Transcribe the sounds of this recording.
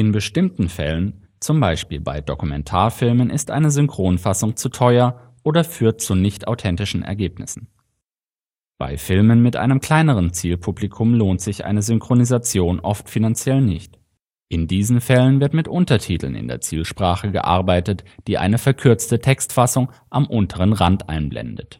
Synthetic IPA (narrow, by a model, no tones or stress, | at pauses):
ʔɪnbəʃtɪmtn̩fɛ̰lən | t͡sʊmbaɪʃpiːlba̰ɪdokumɛntʰaːɐfɪlmənʔɪstʔa̰ɪnəzʏŋkʁ̥oːnfasʊŋt͡sutʰɔʏɐ | ʔoːdɐfyːɐt̚t͡sunɪçtʔa̰ʊtʰɛntɪʃn̩ʔɛ̰ɐɡeːpnɪ̰sn̩ | b̥a̰ɪfɪlmənmɪtʔa̰ɪnəmkl̥aɪnəʁ̞ənt͡siːlpʰublikʰʊmloːntz̥ɪçʔa̰ɪnəzʏŋkʁ̥onizat͡sjoːnʔɔftfinant͡sjɛlnɪ̰çt | ʔɪndiːzn̩fɛlənvɪɐtmɪtʔʊntɐtʰiːtʰl̩nɪ̰ndḛːɐt͡siːlʃpʁ̥aːχəɡə̰ʔa̰ɐbaɪtətd̥iːʔa̰ɪnəfɛɐkʰʏɐt͡stətʰɛkstfasʊŋʔamʔʊntʰəʁ̞ənʁantʔa̰ɪnblɛ̰ndət